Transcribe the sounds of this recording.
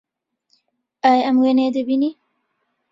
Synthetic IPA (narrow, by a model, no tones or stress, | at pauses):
ajɐmɡeneːd̪ebini